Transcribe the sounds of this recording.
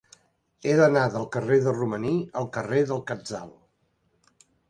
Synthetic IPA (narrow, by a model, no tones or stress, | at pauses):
eðənaðəlˠkəreðəruməniəlˠkəreðəlˠkəd͡za̰lˠ